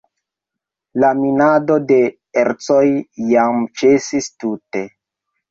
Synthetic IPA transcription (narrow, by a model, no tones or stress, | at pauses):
laminado̞de̞ | eɾt͡so̞jːamt͡ʃe̞sistute̞